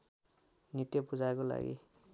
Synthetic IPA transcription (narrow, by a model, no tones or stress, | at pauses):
nit̪jepud͡zaekola̰ɡḭ